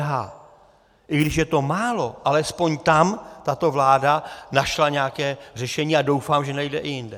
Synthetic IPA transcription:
ɦaː | ʔɪɡdɪʃjɛt̪o̞maːlo̞ʔalɛspo̞ɲt̪amt̪at̪o̞vlaːdanaʃlaɲɛakɛːr̝ɛʃɛɲiːado̞wfaːmʒɛnajdɛʔɪjɪndɛ

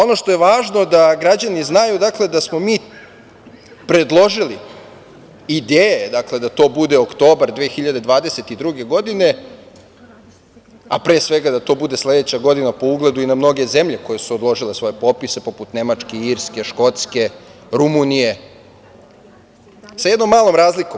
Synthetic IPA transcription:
o̞no̞ʃt̪oje̞ʋaːʒno̞d̪aɡɾad͡ʑaniznajud̪akle̞d̪asmo̞miː | pɾe̞d̪lˠo̞ʒili | id̪eːjed̪akle̞d̪at̪o̞ːbud̪e̞okt̪o̞ːbaɾd̪ʋeːxiʎad̪e̞d̪ʋaːd̪e̞se̞t̪id̪ɾuɡe̞ɡo̞d̪ine̞ | apɾe̞ːsʋe̞ɡad̪at̪o̞ːbud̪e̞sle̞d̪et͡ɕaɡo̞d̪inapo̞uɡle̞d̪uinamno̞ɡe̞ze̞mʎe̞ko̞jesuod̪lˠo̞ʒile̞sʋo̞jepo̞pise̞po̞put̪ne̞mat͡ʃkeiːɾske̞ʃko̞t̪ske̞ | ɾumunije̞ | sajed̪no̞mːaːlˠo̞mɾaːzlikom

